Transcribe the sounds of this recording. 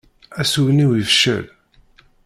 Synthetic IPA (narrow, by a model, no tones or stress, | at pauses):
æsuwniwivʃə̰l